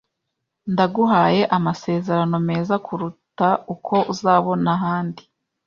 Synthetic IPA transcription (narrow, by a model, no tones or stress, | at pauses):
ndaɡuɦaːje̞ʔamase̞ːze̞ɾano̞me̞ːzakʰuɾutaukʰo̞ʔuzaːβo̞naɦaːndi